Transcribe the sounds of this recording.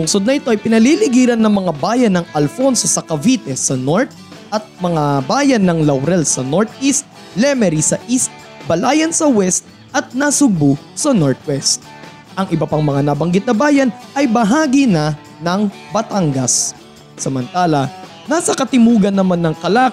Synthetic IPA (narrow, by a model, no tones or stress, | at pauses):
lʊŋsod̪nɐʔɪt̪o̞ʔɐjpɪnɐlilɪɡiːɾɐnːɐŋmɐŋabaːjɐnːɐŋɐlfo̞nsosɐkɐvit̪ɛsɐno̞ɹt̪̚ | ʔɐt̪̚mɐŋabaːjɐnːɐŋlɐwɾɛlsɐno̞ɹt̪ist̪̚ | lɛmɛɾisɐʔist̪̚ | bɐlaːjɐnsɐwɛst̪̚ | ʔɐt̪̚nasʊɡ̚bʊ | sɐnoɹt̪̚wɛst̪̚ | ʔɐŋʔɪbɐpaŋmɐŋanɐbɐŋɡɪt̪nɐbaːjɐnʔɐjbɐɦaːɡinɐ | nɐŋ | bɐt̪aŋɡɐs | sɐmɐnt̪aːlɐ | naːsɐkɐt̪ɪmuːɡɐnːɐmanːɐŋkɐlaːk